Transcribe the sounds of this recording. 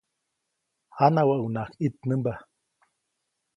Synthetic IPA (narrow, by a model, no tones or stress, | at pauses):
anawaʔunakit̪̚nəmba